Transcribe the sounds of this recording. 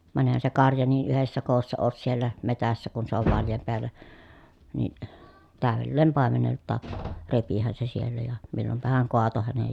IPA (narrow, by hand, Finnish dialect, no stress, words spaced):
ʋɑn eˑĭhæn se kɑrjɑ niː ʔyhesːæ koːsːɑ oːs sielːæ metæsːæ kun se oʋ ʋɑljɑm peælˑæ ni tæˑøʋelːeːm pɑˑemeneltːɑːk repihæn se sielːæ jɑ milːompɑhɑŋ koɑto hænej